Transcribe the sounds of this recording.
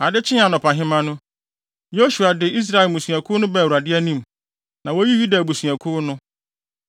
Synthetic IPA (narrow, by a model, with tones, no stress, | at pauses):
a˨dɪ˦t͡ɕʰɪ̃˦a˨nʊ̃˨pʰã˨ɦɪ̃˦mã˦nʊ̃˦ | jo˦ɕu˨a˨dɪ˨i˦s̬ɾa˨ɛ˨mũ˨sũ˨a˨kʰʊ˦ʊ˦nʊ̃˦bɛ̃˨wu˨ɾa˨dɪ˦æ˦nĩ˦m | nã˨wo˦ji˦ju˦da˨bu˨su˨a˨kʰʊ˦nʊ̃˦